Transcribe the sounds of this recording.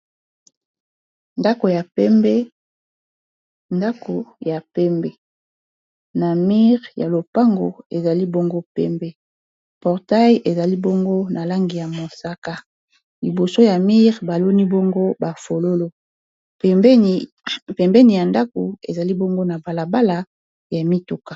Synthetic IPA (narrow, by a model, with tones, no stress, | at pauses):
nda˦ko˨ja˨˦mɛ˦ | nda˦ko˨ja˨pɛ˦mbɛ˦ | na˨mi˦ʁja˨lo˨pa˦ŋɡo̰˨e˨za˨li˦bo˦ŋɡo˦pɛ̰˦mbɛ˦ | pɔ˨ʁta˦jʔe˨za˨li˦bo˦ŋɡo˦na˨la˦ŋɡi˨ja˨mo˨sa˦ka˦ | li˨bo˨so˦ja˨mi˦ʁba˨lo˦ni˦bo˦ŋɡo˦ba˨fo˨lo˦lo˨ | pɛ˨mb | pɛ˨mbɛ˦ni˨ja˨nda˦ko˨ḛ˨za˨li˦bo˦ŋɡo˦na˨ba˨la˨ba˦la˨ | ja˨mi˦tu˨kḁ˨